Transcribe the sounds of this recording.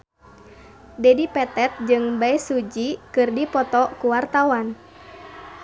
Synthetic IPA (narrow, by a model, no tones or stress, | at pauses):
dɛdipɛt̪ɛt̪̚d͡ʒɨŋbaisud͡ʒikɨrdipɔt̪ɔkuwart̪awan